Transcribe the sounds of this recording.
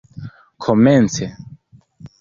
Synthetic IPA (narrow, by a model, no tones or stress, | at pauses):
kʰomɛnt͡se